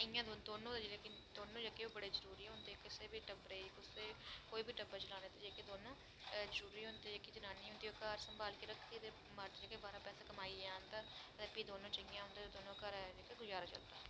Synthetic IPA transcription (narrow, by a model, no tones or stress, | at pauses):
əjãːd̪od̪oːnõːd͡ʒelek | d̪oːnõːd͡ʒekeːoːbəɽeːzəɾuːɾiːɦõnd̪eːkɪseːbiːʈəbɾəiːkʊseːkoːiːbiːʈəbət͡ʃəlaːneːt̪eːd͡ʒeːkeːd̪oːnõː | zəɾuːɾiːɦõːnd̪eːd͡ʒeːkid͡ʒənaːniːɦʊ̃nd̪iːoːkaːɾsəmbaːlkiɾəkʰd̪iːd̪e | maɾt̪ːd͡ʒaːkeːbaːɾaːpɛːsaːkəmaːiːaːɦənd̪aːət̪ːpiːd̪oːnõːt͡ʃəjãːɦʊ̃nd̪eːed̪oːnõːkaɾd͡ʒeːkeːɡʊd͡ʒaːɾaːt͡ʃə̰ld̪aː